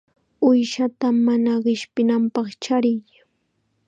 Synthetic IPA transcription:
ʊjʃat̪amanaɢɪʃpɪnampɑχt͡ʃaɾɪj

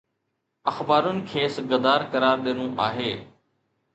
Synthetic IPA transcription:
əxbaːɾʊnɪ̆kʰeːsɡəd̪aːɾkəɾaːɾɗ̪eːnũːʔa̰ːɦeː

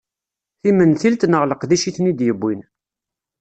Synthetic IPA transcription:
θimənθilt̪nəʁləqðiʃiθnid̪jəbːin

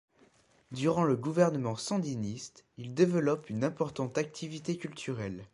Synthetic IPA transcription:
d̪yʁɑ̃ləɡuvɛʁnəmɑ̃sɑ̃d̪inist̪ild̪evəlɔpynɛ̃pɔʁt̪ɑ̃t̪ak̚t̪ʰivit̪ekʲylt̪ʰyʁɛl

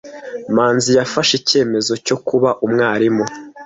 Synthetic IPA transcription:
maːnzijafaʃice̞ːme̞zo̞co̞kuβaʔumŋaːɾimo

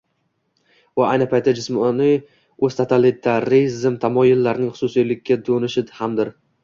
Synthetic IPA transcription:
vaʔajnɪpʰajt̪ʰːad͡ʒɪsmɒnɪ | ɵz̥t̪ʰat̪ʰalɪt̪ʰaɾizmt̪ʰamɒjɪlːaɾnɪŋχʊ̥sʊsijlɪkʲːad̪onɪʃɪhamd̪ɪɾ

